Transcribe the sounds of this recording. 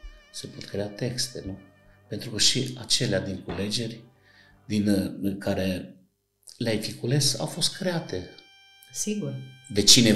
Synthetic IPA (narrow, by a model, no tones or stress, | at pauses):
sepo̞t̪kɾe̞at̪e̞kst̪e̞̰nu | pe̞nt̪ɾukəʃiat͡ʃe̞lead̪iŋkule̞d͡ʒe̞rʲ | d̪inkaɾe̞ | leajfikule̞sa̰wfo̞st̪̚kɾe̞at̪e̞ | siɡurd̪e̞t͡ʃine̞